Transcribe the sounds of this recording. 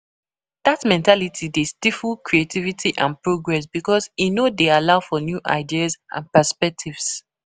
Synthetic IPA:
d̥atmɛ̃ntalitʰidestifulkɹietʰivitʰiʔã̰npɹoɡɹɛsb̥ikɔzinodealaʊfɔnjuʔa̰ɪdiazʔã̰npəspɛk̚tʰivs

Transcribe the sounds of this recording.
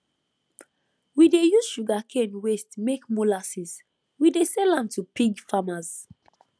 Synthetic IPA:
widejuz̥ʃuɡakʰɛ̃nwestmekmulasis | widesɛlãmtupiɡfamaz̥

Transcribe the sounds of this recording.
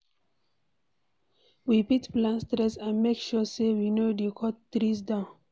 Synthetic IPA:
wipitplãnstɾɛsãnmekʃusewinodekʰɔttɾis̬dãʊ̃n

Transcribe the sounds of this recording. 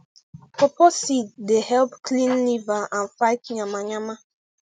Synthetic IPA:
popɔsit̚dehɛlpklĩnlivaanfaɪtɲamaɲama

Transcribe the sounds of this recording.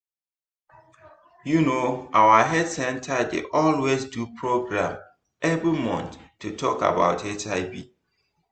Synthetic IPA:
junoʔawəɦɛdsɛ̃ntʰədḛʔɔlwezdupʰɹoɡɹãm | ʔɛvɹimɔ̰̃nttʰːutʰɔka̰ba̰ʊtʰet͡ʃaɪbi

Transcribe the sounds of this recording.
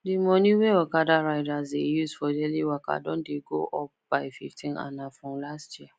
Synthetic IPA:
dimɔniwewakadaɾaɪdasdejusfɔdeliwaka̰dɔ̃ndeɡoʔɔp̚b̥aɪfḭftĩna̰nafɹɔ̃mlastjia

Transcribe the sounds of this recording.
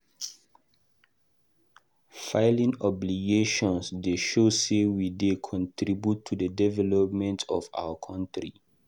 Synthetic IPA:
faɪlĩŋɔbliɡeʃɔ̃nsdeʃosewidekʰɔ̃ntɾibjutʰːudədɛvɛlɔpmɛ̃ntʰɔva̰wəkʰɔ̃ntɹḭ

